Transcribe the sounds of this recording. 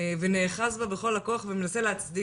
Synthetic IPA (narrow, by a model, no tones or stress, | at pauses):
veneːχasbabeχo̞lako̞aχveme̞nase̞leɦat͡sdi